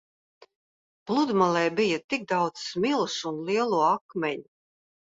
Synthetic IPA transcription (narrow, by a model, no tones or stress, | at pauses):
b̥lˠud̪malˠɛjbijɐt̪iɡ̚d̪awd̪smilˠsunliɛlˠuɔakmʲɛɲu